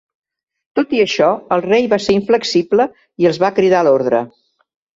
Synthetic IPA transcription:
t̪ot̪iəʃɔəlˠrejβaseɾiɱfləksiblə | iəlˠzβakɾiðaloɾðɾə̰

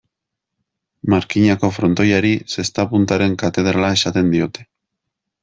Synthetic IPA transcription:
maɾkiɲako̞fɾo̞nt̪o̞jaɾise̞st̪apunt̪aɾe̞ŋkat̪e̞ð̞ɾalae̞sat̪e̞nd̪io̞t̪e̞

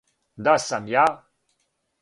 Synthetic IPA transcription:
d̪asamja

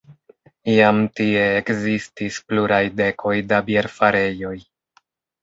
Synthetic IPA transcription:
ijamtie̞ːkzistispluɾajde̞kʰo̞jdabjeɾfaɾe̞jo̞j

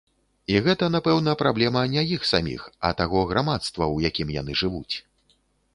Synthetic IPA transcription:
iɣɛt̪ɐnapɛwnɐpɾablʲɛmɐnʲajixsamʲḭxɐ̰t̪aɣɔɣɾamat̪st̪vɐwjakʲimja̰n̪ɨʐɨvut͡sʲ

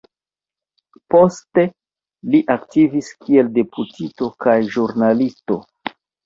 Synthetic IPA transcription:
po̞ste̞ | liʔaktiviskʰie̞lde̞pʰutito̞kajʒuɾnalisto̞

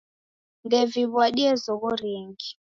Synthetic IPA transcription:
ndɛviβwaɗiɛzɔɣɔɾiːŋɡi

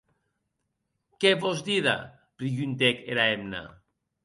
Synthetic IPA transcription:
keβozd̪iða̰ | pɾiʝynt̪ekeɾaemna̰

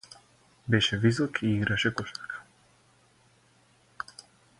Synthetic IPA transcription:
bɛʃɛvisɔkiiɡɾaʃɛkɔʃakḁ

